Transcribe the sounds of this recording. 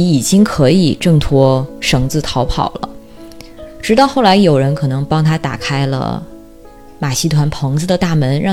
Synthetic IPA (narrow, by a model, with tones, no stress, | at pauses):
i˨˩t͡ɕi˥ŋkʰɤ˧˥i˨˩ʈ͡ʂɤ˥˩ŋt̪ʰwɔ˥ʂɤ˧˥ŋt͡sɹ̩˥˩t̪ʰɑ˧˥ʊpʰɑ̰˨˩ʊlə̰˦ | ʈ͡ʂɻ̩˧˥t̪ɑ˥˧ʊxo˥˩ʊla˧˥ɪjo˨˩ʊɻə˧˥nkʰɤ˨˩nɤ˧˥ŋpɑ˥ŋt̪ʰa˥t̪a̰˨˩kʰa˥ɪlə̰˧ | ma˨˩ɕi˥t̪ʰwa˧˥npʰɤ˧˥ŋd͡zɹ̩˧d̪ə˨t̪a˥˩mə˧˥nɻɑ˥˩